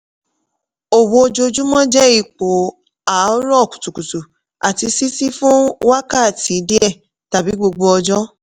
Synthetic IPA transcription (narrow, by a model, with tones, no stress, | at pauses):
o˨wo˧o˧d͡ʒo˧d͡ʒũ˦mɔ̃˦d͡ʒɛ˦i˦˨k͡po˨ | a˨ɔ˦ɾɔ˦˨ku̥˨tu˨ku˨tu˨ | a˨ti˧si˦si˦fũ˦wa˦ka˦˨ti˨˦de˦ɛ˦˨ | ta˨bi˨˦ɡ͡bo˧ɡ͡bo˧ɔ˧d͡ʒɔ˦